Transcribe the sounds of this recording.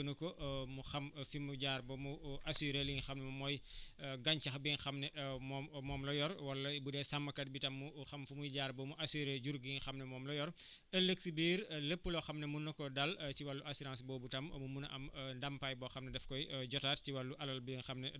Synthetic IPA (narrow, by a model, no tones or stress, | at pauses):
ənukɔʔmuxɐmfimuɟaːɾbɐmuʔɐsiɾeliŋxɐmnɛmumɔjɡɐɲt͡ʃɐxbinxɐmnɛʔmɔmmɔːmlɔjɔɾwɐlːɐbudɛsɐmːɐkɐt̚bitɐmːuxɐmfumujɟaːɾbɐmuʔɐsiɾeɟuɾɡinxɐmnɛmɔːmlɔjɔr | əlːəksibiːɾləpːəlɔxɐmnɐmunɐkɔdɐltiwɐlːuʔɐsiɾãnsbɔːbutɐmmumunɐʔɐmndɐmpajbɔxɐmnɐdɛfkɔjɟɔtaːt̚ciwɐlːuʔɐlɐlbiŋxɐmnɛ